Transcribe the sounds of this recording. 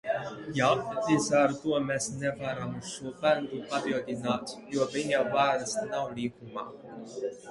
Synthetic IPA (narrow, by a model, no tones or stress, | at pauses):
jaːpt̪isaːɾut̪uɔmesnevaɾamusʃuɔbænd̪upapild̪ʲinaːt̪juɔviɲawvaːɾɨsnawlʲiːkuma̰ː